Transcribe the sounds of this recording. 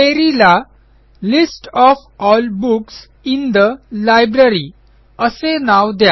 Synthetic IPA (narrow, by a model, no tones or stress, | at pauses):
eɾila | lisʈɔfɔlbuks | ind̪əlajbɾəɾi | əsenawd̪ja